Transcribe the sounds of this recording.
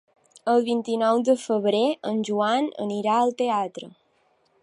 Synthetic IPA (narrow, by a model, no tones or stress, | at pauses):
əlˠβint̪inɔwd̪əfəβɾeənʲʒuanə̰niɾaəlˠt̪eat̪ɾə